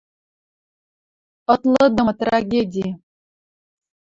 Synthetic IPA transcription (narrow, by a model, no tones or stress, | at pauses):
ɤ̆t̪lˠɤ̆d̪ɤ̆mt̪raɣʲedʲi